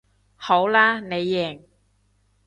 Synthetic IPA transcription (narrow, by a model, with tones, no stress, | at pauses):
ho˨˥wlaː˥ne˨˧jːɛː˨˩ŋ